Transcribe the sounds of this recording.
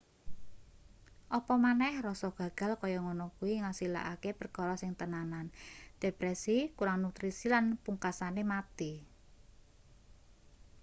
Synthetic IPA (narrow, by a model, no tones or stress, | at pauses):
ʔɔpɔmanɛhrɔsɔɡ̥ä̤ɡ̥a̤lkɔjɔŋɔnɔkuwiŋasila̰ʔakepərkɔɾɔsɪŋt̪ənanand̪̥epɾɛsikuɾaŋnut̪ɾisilanpuŋkasanemat̪i